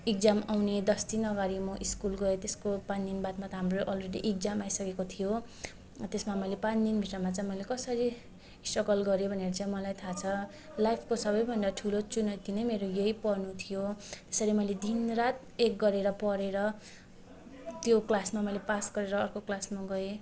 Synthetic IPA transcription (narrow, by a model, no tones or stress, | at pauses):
ik̚d͡zamawned̪ʌsd̪inʌɡaɾimʌʔiskulɡʌet̪eskopand̪inbat̪mat̪ʌɦamroʔʌlreɽiʔik̚d͡zamajsʌkekot̪ʰijo | t̪esmamʌjlepand̪inbʱiʈramat͡saĩmʌjlekʌsʌɾi | sʈʌɡʌlɡʌɾjobʱʌneɾʌt͡sʌj̃mʌlajt̪ʰat͡sʰʌ | lajpʰkosʌbʌjbʱʌnd̪aʈʰulot͡sunʌt̪inʌjmeɾojeipʌrnut̪ʰijot̪e̥sʌɾimʌjled̪inrat̪ | ek̚ɡʌɾeɾʌpʌɾeɾʌ | t̪joklasmamʌjlepasɡʌɾeɾʌːrkoklasmaɡʌe